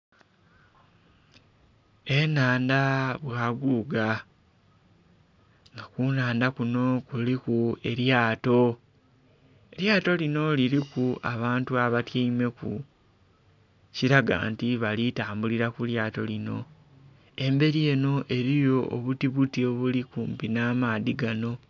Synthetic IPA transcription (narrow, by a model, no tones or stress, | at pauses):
e̞naːndaβwaːɡuːɡa | ŋɡakunaːndakuno̞kulikue̞ɾjaːto̞ | e̞ljaːto̞lino̞liɾikua̰βaːntuaβatjaime̞kṵ | ciɾaɡa̰ːntiβalitaːmbuliɾakuljaːto̞lino̞ | e̞mbe̞ɾije̞no̞ʔe̞ɾijo̞ʔoβutiβutio̞βulikuːmpinaːmaːðiɡano̞